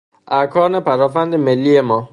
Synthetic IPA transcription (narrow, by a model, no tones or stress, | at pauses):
ʔækʰɒːnepæɾɒːfænd̪emelːiːjemɒː